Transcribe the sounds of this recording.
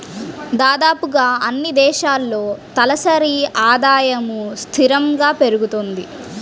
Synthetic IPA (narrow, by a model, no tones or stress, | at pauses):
d̪aːd̪aːpuɡaːɐnːid̪ɛːʃaːlːo̞ːt̪ɐlɐsɐɾiaːd̪aːjɐmust̪ʰiɾɐŋɡaːpe̞ɾuɡut̪ond̪i